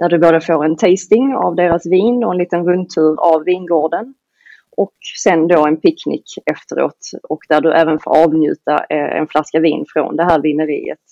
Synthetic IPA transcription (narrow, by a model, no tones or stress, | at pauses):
d̪̥æɖɵboːd̪əfoːɾɛnt̪ʰɛːst̪ɪŋa̰vd̪eːɾasviːnɔɛnliːt̪ənɾɵnt̪ʰʉːɾavːiːnɡoːɖən | ʔɔksɛnd̪oːɛnpʰɪkːnɪ̰kɛft̪əɾo̰ːt̪ɔkd̪æɖɵʔæːvənfo̰ːɾɑːvnjʉ̟̰ːt̪a̰ɛ̰nflaskavḭːnfɾo̰nd̪ɛɦæːɾvɪnəɾḭːə̰t̪